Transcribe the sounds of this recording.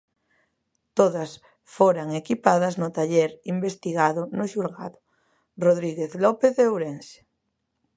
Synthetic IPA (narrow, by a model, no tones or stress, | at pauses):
t̪oðas | foɾaŋekipaðaznʊt̪aʎeɾimbest̪iɣaðʊnʊʃulɣa̰ðʊ̥ | roðɾiɣeθlɔpeθeowɾense̥